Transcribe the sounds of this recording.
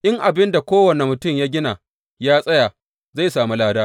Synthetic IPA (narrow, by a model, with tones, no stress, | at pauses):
ʔɪ˦ŋʔa˨bɪ˦nda˨kʷoː˦wɐ˨ne˨mʊ˨tʊ˦˨mjaː˦ɡʲɪ˦na˨ | jaː˦sʼɐ˦ja˨ | za˦˨jsaː˨mi˦laː˦daː˦